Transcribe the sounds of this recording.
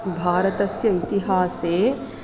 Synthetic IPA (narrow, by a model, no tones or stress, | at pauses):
bʱaːɾɐt̪ɐsjɐit̪iɦaːseː